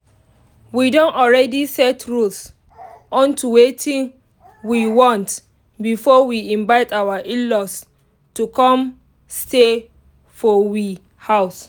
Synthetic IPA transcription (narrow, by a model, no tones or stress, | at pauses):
widõnɔɹɛdisɛtʰɹuls | ɔ̃ntuwetʰĩn | wiwɔ̃nt | bifɔwiĩnbaɪtawaʔilɔs | tukɔ̃m | ste | fɔwi | haʊs